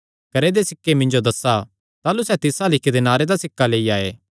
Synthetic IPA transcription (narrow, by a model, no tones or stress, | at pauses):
kɐɾed̪esɪkːemɪ̃nd͡ʒod̪ɐsa | t̪aːlusɛt̪ɪsalɪkʰed̪enaːɾed̪asɪkːaleːiaːeː